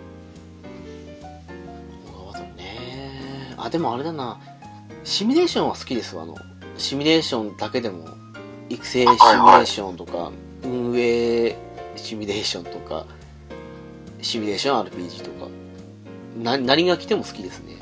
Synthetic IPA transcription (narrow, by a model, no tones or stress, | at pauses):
oɡaβat̪one | a̰d̪e̞mo̞aɾe̞d̪ana | ɕimʲiɾe̞ːɕõɰ̃βasɨ̥kʲid̪esɨβa̰no̞̰ | ɕimʲiɾe̞ːɕõ̞nd̪ake̞d̪e̞mo̞̰ | ikɯ̟̥se̞ːɕimʲiɾeːɕõ̞nt̪o̞ka̰ | ɯ̟̃ɰ̃e̞ː | ɕimʲiɾe̞ːɕõ̞nt̪o̞ka̰ | ɕimʲiɾe̞ːɕõ̞aɾɯ̟pʲiːʑiːt̪o̞ka̰ | nanaɾ̟ʲiɡakʲi̥t̪e̞mo̞sɨ̥kʲid̪e̞sɨne̞̰